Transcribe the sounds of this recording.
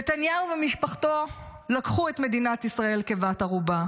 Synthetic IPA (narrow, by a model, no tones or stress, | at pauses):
etanjauvemiʃpaχto̞ | lakχue̞tme̞dinatisʁae̞lkevataʁuba